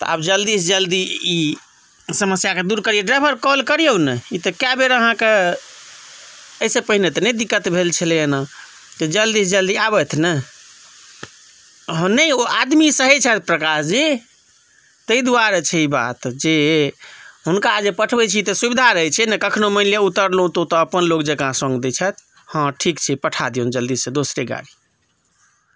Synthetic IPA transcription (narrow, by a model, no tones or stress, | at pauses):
t̪ɔ̰a̰bd͡ʒəld̪isd͡ʒəld̪ii | səməsjaked̪uɾkəɾijeɖɾajbʱəɾkɔlkəɾijewnɛit̪əkjabeɾəɦãke | əisepəɦinet̪ɔnɛd̪ikːət̪bʱelt͡ʃʰəleəna | t̪ɔd͡ʒəld̪isd͡ʒəld̪iabɛt̪ʰnə | ɦə̃nəjoad̪misəɦɛt͡ʃʰɛt̪̚ʰpɾəkasd͡ʒi | t̪əid̪uaɾat͡ʃʰɛiba̰t̪d͡ʒe | ɦunkad͡ʒepəʈʰbɛt͡ʃʰit̪ɔsubid̪ʱaɾəɦɛt͡ʃʰɛnɛkəkʰnoməljeut̪əɾlũt̪ot̪ɔəpənlokd͡ʒəkãsə̃ŋɡd̪ɛt͡ʃʰɛt̪ʰ | hə̃ʈʰikt͡ʃʰɛpəʈʰad̪iũnd͡ʒəld̪issə̃d̪osɾeɡa̰ɽi